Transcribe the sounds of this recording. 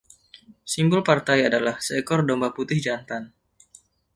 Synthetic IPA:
simbʊlpart̪ajadalahsəɛkɔrdombaput̪ɪhd͡ʒant̪an

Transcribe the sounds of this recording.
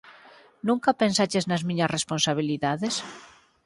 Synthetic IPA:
nũŋkɐpensat͡ʃeznɐzmĩɲɐsresponsaβ̞iliðaðes

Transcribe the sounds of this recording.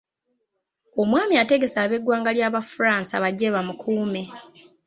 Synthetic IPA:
o̞mwaːmiate̞ɡe̞saːβe̞ɡːwaːŋɡaljaːβafuɾaːnsa̰βaɟːeβamukʰuːme̞

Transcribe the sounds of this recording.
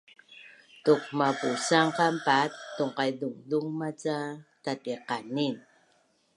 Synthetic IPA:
tuqmapusaŋqampatːuŋqajduŋduŋmat͡satatiqanin

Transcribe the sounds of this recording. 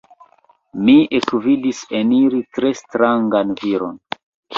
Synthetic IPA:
miʔekvidiseniɾitɾe̞stɾaŋɡanviɾo̞̰n

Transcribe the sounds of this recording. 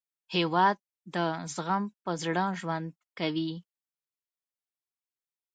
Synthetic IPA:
hewɑd̪̚ːəzɣampəzɽɑʒwand̪̚kawi

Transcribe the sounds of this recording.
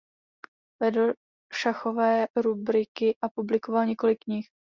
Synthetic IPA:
vɛdl̩ | ʃaxo̞vɛːɾubɾɪkɪʔapublɪko̞valɲɛko̞lɪkːɲɪx

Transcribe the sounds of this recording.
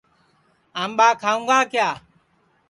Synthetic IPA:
aːmɓaːkʰaːũːŋɡaːkɪjaː

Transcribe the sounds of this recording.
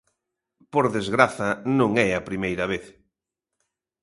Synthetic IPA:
poɾðezɣɾaθɐnõŋɛɐpɾimejɾɐβ̞eθ

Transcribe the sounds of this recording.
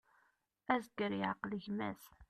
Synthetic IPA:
æzɡəɾiʕaqləʝmæ̰s

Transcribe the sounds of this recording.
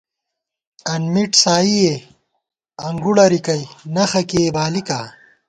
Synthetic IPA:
ɐnmiʈsaːije | ɐŋɡuɽɐɾikɐjnɐxɐkeːbaːlika

